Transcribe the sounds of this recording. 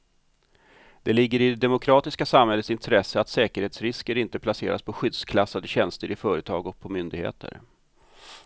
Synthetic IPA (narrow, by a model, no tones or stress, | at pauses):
d̪ɛlɪɡːəɾɪd̪ɛd̪ɛmʊkʰɾɑːt̪ɪskasamhɛlːət̪sɪnt̪ʰɾɛsːəat̪sɛːkəɾheːt̪sɾɪskəɾɪnt̪əpʰlasḛːɾa̰spʰɔɧʏd̪skʰlasad̪əɕɛnst̪əɾɪfœːɾət̪ʰɑ̰ːɡɔk̚pʰɔmʏnd̪ɪɡhḛːt̪ʰə̰ɾ